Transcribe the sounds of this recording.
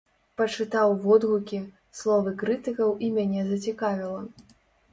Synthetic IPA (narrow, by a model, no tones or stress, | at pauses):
pɐt͡ʂɨt̪awvɔd̪ɣukʲi | slˠɔvɨkɾɨt̪ɨkɐwʔimʲanʲɛzɐt͡sʲikavʲilˠɐ